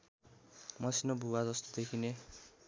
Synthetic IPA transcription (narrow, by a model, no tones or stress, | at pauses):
mʌsinobʱuwad͡zʌst̪od̪ekʰine